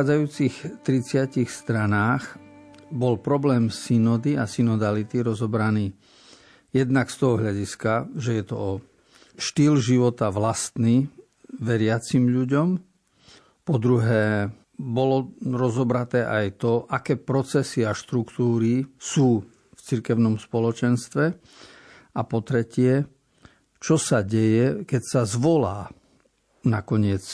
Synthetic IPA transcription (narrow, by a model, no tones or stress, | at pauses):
aːd͡zajuːt͡sixt̪ɾit͡sɪacixst̪ɾanaːxbɔlpɾɔblɛːmsinɔd̪iasinɔd̪alit̪iɾɔzɔbɾaniː | jɛd̪nakst̪ɔɦɔɦʎaɟiskaʒɛjɛt̪ɔ̰ɔ | ʃt̪iːlʒiʋɔt̪aʋlast̪ni | ʋɛɾɪat͡simʎuɟɔm | pɔd̪ɾuɦɛː | bɔlɔɾɔzɔbɾat̪ɛːʔajt̪ɔʔakɛːpɾɔt͡sɛsiaʃt̪ɾukt̪uːɾisuː | ft͡siɾkɛʊnɔmspɔlɔt͡ʃɛnst̪ʋɛ | apɔt̪ɾɛcɪɛ | t͡ʃɔsaɟɛjɛkɛcsazʋɔlaː | nakɔɲɪɛt͡s